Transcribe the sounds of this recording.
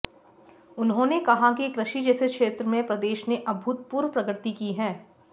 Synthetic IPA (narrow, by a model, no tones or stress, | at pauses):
ʊnɦõnekɐɦakikɾɪʃid͡ʒɛːsekʃeːt̪ɾəmẽpɾɐd̪eːʃneʔɐbʱʊt̪̚puːɾʋpɾɐɡɾt̪ikiɦɛ̃ː